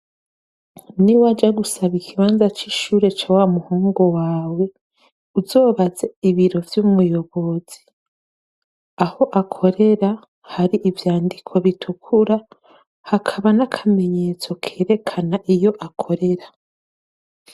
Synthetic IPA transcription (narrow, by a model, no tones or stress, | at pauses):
niwad͡ʒaɡusaβikʰiβaːnzat͡ʃiʃuːɾe̞t͡ʃaːwamuhoːŋɡo̞waːwe̞ | uzo̞ːβaze̞iβiɾo̞vjumujo̞βo̞z̥i | aho̞ʔakʰo̞ɾe̞ɾa | haɾiʔivjaːndikʰo̞βitʰukʰuɾa | hakʰaβanakʰame̞ɲe̞ːt͡so̞kʰe̞ːɾe̞kʰanaʔijo̞ʔakʰo̞ɾe̞ɾa